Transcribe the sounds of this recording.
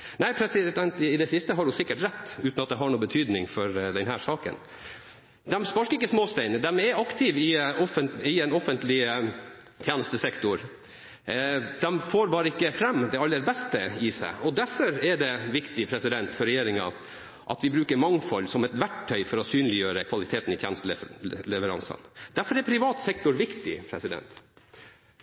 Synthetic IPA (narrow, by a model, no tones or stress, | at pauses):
næɪpʰɾɛsɪd̪ɛnt̪ɪd̪ɛsɪst̪əɦɑɖʉsɪkːəʈɾɛt̪ːʉːt̪nɑt̪̚d̪ɛɦɑɳuːbət̪ʰyːd̪nɪŋfɔɾd̪ɛnɦæːʂɑːkə̰n | d̪ɛmspɑʂkəɪkːəsmoːst̪ɛɪnd̪ɛmɛɾɑkt̪ʰɪʋɪɔfənɪɛnɔfənt̪lɪ | t̪ʰjæːnəst̪əsɛkt̪ʊɾ | d̪ɛmfoːɾbɑːɾəɪkːəfɾɛmːd̪ɛɑlːəɾbɛst̪əɪsæ̰ɪʔɔd̪æɾfɔɾɛɖɛʋɪkt̪ɪpʰɾɛsɪd̪ɛnt̪fɔɾːɛjeːɾɪŋɑ̰ | ʔɑ̰t̪ʋɪbɾʉːkəɾmɑŋfɔlːsɔmɛt̪ʋæʈʰːœʏfɔɾɔsyːnlɪjøːɾəkʰʋɑlɪt̪ʰeːt̪nɪt̪ʰjeːnəst̪əlɛʋəɾɑ̰ŋsə̰nd̪̥æɾfɔɾɛpʰɾɪʋɑːt̪sɛk̚t̪ʊɾʋɪkt̪ɪ̰pʰɾɛsɪd̪ɛ̰nt̪